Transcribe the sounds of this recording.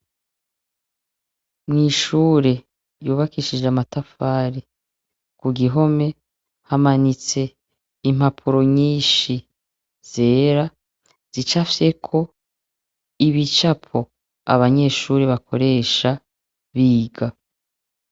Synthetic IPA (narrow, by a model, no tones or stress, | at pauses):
mŋiːʃuːɾe | juːβakiʃid͡ʒamatafaːɾi | kuɡiɦo̞me̞ | hamanit͡se̞ | im̥hapʰuɾo̞ɲiːnʃi | z̥e̞ːɾa | z̥it͡ʃafe̞kʰo̞ | iβit͡ʃapʰo̞ | a̰βaɲe̞ʃuːɾeβakʰo̞ɾe̞ːʃa | βiːɡa